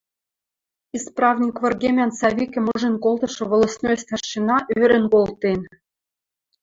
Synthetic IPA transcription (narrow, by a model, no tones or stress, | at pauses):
isprɑvnʲikvɤ̆rɡʲemʲɑnsɑvʲikʲɘ̆moʐɘ̆nʲkolˠt̪ɤ̆ʃɤ̆ʋŏlˠɤ̆snosʲt̪ɑrɕinɑʔyɘɾʲɘ̆nkolˠt̪enʲ